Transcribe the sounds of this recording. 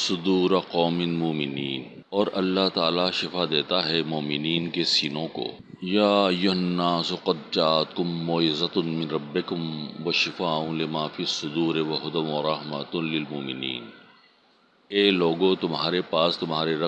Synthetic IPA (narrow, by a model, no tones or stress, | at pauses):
sʊd̪uːɾɐqɔːmɪnmʊːmɪniːn | ɔːɾɐlːaɦt̪aːlaʃɪfad̪eːt̪aɦɛmoːmɪniːnkesiːnõko̰ː | jaːjʊɦɐnːaːsʊqɐd̪̚t͡ʃaːt̪kʊmːoːɪzɐt̪ʊnmɪnɾɐbːɪkʊmwɐʃɪfaːʊ̃lɪmaːfisʊd̪uːɾeʋɐɦʊd̪ɐmʋɐɾɐɦmɐt̪ʊnlɪlmʊːmɪnḭːn | eːloːɡõt̪ʊmɦaːɾepaːst̪ʊmɦaːɾeɾɐ